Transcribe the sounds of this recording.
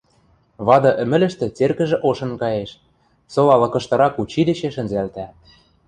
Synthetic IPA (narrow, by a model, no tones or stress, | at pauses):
βɑd̪ɤ̆ʔɘ̆mɘ̆lɘ̆ʃt̪ĕt͡serkɘ̆ʒĕʔoʃɤ̆nkɑjeʃ | solɑlɤ̆kɤ̆ʃt̪ɤ̆ɾɑkut͡ɕid̪ĕt͡ɕĕʃɘ̆nzælt̪æ